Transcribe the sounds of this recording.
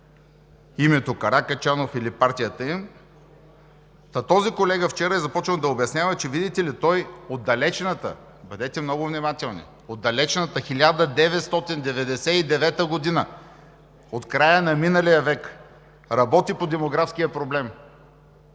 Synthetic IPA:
imɛt̪okɐɾakɐt͡ʃanofilipaɾt̪ʲijət̪əim | t̪ɐt̪ɔzikolɛɡəft͡ʃɛɾəɛzɐpɔt͡ʃnəd̪ɐobʲjɐsnʲjavɐt͡ʃɛvid̪it̪ɛlit̪ɔjod̪ːɐlɛt͡ʃnət̪ə̰ | bɐd̪ɛt̪ɛmnɔɡʊvnʲimat̪ɛlˠnḭ | od̪ːɐlɛt͡ʃnət̪əxilʲad̪əd̪ɛvɛt̪st̪ɔt̪ind̪ɛvɛd̪ɛsɛid̪ɛvɛt̪əɡod̪inə | ot̪kɾajənɐminəlijəvɛk | ɾɐbɔt̪ipod̪ɛmoɡɾafsk̟ijəpɾoblɛm

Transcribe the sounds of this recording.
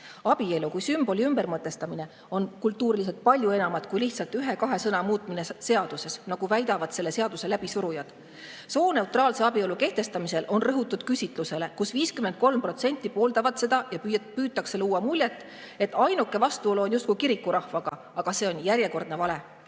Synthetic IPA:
ɑb̥ie̞lukujsymb̥o̞lʲiymb̥ermɤt̪ːˑe̞st̪ɑmine̞ | o̞nkult̪ˑːuːɾilis̬e̞lt̪̚pɑlʲjue̞nɑmɑd̪̥kujliht̪sɑlt̪yɦe̞kɑɦe̞sɤnɑmuːt̪ˑminese̞ɑd̪̥use̞snɑɡ̥uvæjd̪ɑvɑd̪̥se̞lːe̞se̞ɑd̪̥use̞læb̥isuɾujɑd̪̥ | so̞ːne̞ut̪ˑrɑːlseɑbio̞luke̞ht̪e̞st̪ɑmise̞lʔo̞nrɤɦut̪ːˑud̪̥̚kysʲit̪ˑluse̞le̞kusviːskymend̪̚ko̞lmpro̞t̪se̞nʲt̪ˑːipo̞ːld̪ɑvɑd̪se̞d̪̥ɑjɑpyːt̪ːˑɑkseluwːɑmulʲjet̪ːˑ | e̞t̪ːˑɑjnukːˑe̞vɑst̪uo̞luonjust̪kujkiɾikːuɾɑhvɑɡ̥ɑ | ɑɡ̥ɑse̞ːo̞njæɾʲje̞ko̞rd̪nevɑle̞

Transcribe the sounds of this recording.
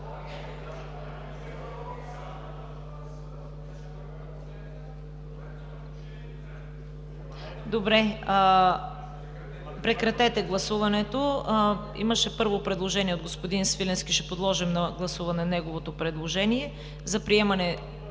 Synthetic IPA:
d̪obɾɛ | pɾɛkɾɐt̪ɛt̪ɛɡlˠɐsuvɐnɛt̪o | ḭmɐʃɛpɤɾvopɾɛd̪lˠoʒɛniɛod̪ɡospod̪insvilʲɛnskiʃɛpod̪lˠɔʒɛmnɐɡlˠɐsuvɐnɛnɛɡovot̪opɾɛd̪lˠoʒɛniɛ | zɐpɾiɛmɐnɛ

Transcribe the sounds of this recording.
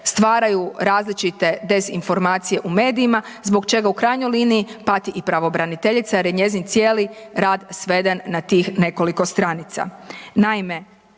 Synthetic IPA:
st̪ʋaːɾajuɾaːzlit͡ʃit̪e̞d̪e̞zḭnfo̞ɾmaːt̪sije̞ʔume̞ːd̪iimazbo̞ɡt͡ʃe̞ɡaukɾaːjɲojliːniːpat̪iʔipɾaʋo̞bɾanit̪eʎit̪sajaɾjeɲe̞zint̪sjeːliɾaːd̪sʋe̞d̪enːat̪iːxne̞ko̞liko̞st̪ɾaːnit̪sa̰naime̞

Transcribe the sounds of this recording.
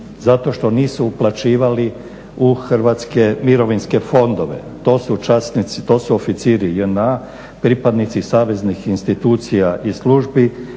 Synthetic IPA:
zat̪o̞ʃt̪o̞niːsuːplˠat͡ʃiːʋali | uxrʋat̪ske̞miɾo̞ʋinske̞fo̞nd̪o̞ʋe̞̰ | t̪o̞ːsut͡ʃasnit̪sit̪o̞ːsuofit̪siːɾijena | pɾipad̪nit̪sisaːʋe̞znixinst̪it̪uːt̪sijaʔisluʒbi

